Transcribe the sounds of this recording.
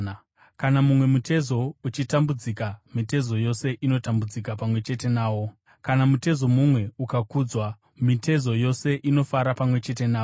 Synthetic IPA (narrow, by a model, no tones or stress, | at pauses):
kanamumwe̞mutʰe̞zo̞ut͡ʃitambud͡zikamite̞zo̞jo̞se̞ʔino̞tambud͡zikapamwe̞t͡ʃe̞te̞naːwo̞ | kanamute̞zo̞mumwe̞ukakuːd͡zwa | mite̞zo̞jo̞se̞ʔino̞faɾapamwe̞t͡ʃe̞te̞naː